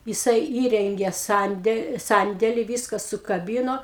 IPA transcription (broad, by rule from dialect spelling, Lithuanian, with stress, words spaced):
jɪˈsɐɪ ˈiːrʲɛŋʲɡʲeː ˈsɐnʲdʲɛ ˈsɐnʲdʲɛlʲɪ ˈʋʲiːskɐ sʊkɐˈbʲiːnoː